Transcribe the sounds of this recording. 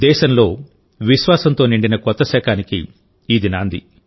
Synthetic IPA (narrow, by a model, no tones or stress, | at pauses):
d̪ɛːʃɐnlo̞ː | ʋiʃʋaːsɐnt̪oːniɳɖinɐkɔt̪ːɐsɛːkʰaːnikḭː | d̪inaːnd̪ḭ